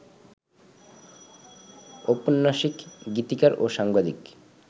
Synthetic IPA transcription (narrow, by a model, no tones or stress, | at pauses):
oponːaʃikɡit̪ikaɾoʃaŋbad̪ik